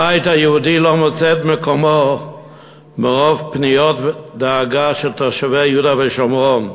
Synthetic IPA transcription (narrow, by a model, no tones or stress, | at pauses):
ajthajɛudilomot͡sɛtmekomo | meʁovpnijotvdaːɡaʃelt̪aʁʃavejudaveʃomʁon